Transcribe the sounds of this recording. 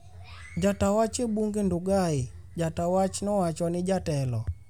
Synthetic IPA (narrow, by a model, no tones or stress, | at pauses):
d͡ʒatawat͡ʃɛɓuŋɡɛnduɡai | d͡ʒatawat͡ʃnɔwat͡ʃwanɪd͡ʒatɛlɔ